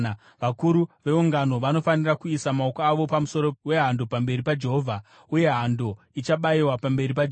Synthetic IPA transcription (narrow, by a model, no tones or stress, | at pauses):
ʋakuɾuʋe̞uŋɡano̞ʋano̞fanirakuisamaokoaʋo̞pamuso̞ɾo̞we̞ɦando̞pambe̞ɾipad͡ʒe̞ɦovʱa | uje̞ɦando̞ | it͡ʃaɓaiwapambe̞ɾip̬ad͡ʒ